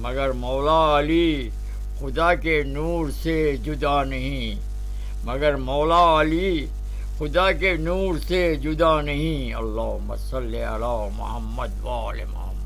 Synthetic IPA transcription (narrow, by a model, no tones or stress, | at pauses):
mɐɡəɾmɔːlaːli | xʊd̪akenuːɾsed͡ʒʊd̪anɐɦĩ | mɐɡəɾmɔːlaaːli | xʊd̪akenuːɾsed͡ʒʊd̪anɐɦĩ | ɐ̰lːaːɦʊmːa̰sɐlːeɐ̰laːmʊ̰həmːəd̪ʋaːlḛmʊ̰həmː